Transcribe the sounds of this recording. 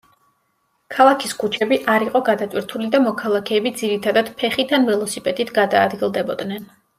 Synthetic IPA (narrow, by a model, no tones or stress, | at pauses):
kʰalˠakʰiskʰut͡ʃʰɛbiʔaɾiqʼɔɡad̪at̪ʼwiɾt̪ʰulid̪amɔkʰalˠakʰɛːbid̪ziɾit̪ʰad̪ad̪̥pʰɛχid̪anvilˠɔsipʼɛd̪it̪ʰɡad̪aːd̪ɡilˠd̪ɛbɔd̪nɛn